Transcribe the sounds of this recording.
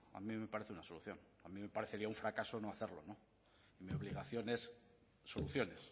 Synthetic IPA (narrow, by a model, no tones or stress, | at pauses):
a̰mĩme̞paɾeθeunaso̞luθjo̞n | amĩme̞paɾeθeɾiauɱfɾakasonoaθeɾlo̞̰no̞ | imio̞βliɣaθjo̞ne̞sː | o̞luθjo̞ne̞s